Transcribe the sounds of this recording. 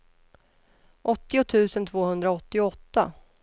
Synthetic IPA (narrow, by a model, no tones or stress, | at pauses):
ʔɔt̪ːɪʊt̪ʰʉ̟ːsənt̪ʰvoːhɵnd̪ɾaɔt̪ːɪʊɔt̪ːa̰